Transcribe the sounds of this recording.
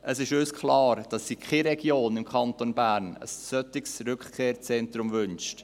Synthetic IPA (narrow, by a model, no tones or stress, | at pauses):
ʔəsɪʃøskʰχlɑːɾd̥ɑsːikʰχɛɾɛɡ̥joːnɪmkʰχɑntonbæːɾnə̰ssœtɪksɾʏkχkʰeːɾt͡sɛntɾʊmvʏnʃt